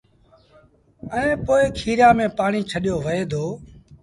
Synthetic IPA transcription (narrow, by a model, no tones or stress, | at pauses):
əẽːpoːɪːkʰiːɾjaːmẽːpaːɳiːt͡ʃʰəɗjoːʋəeːd̪ʱoː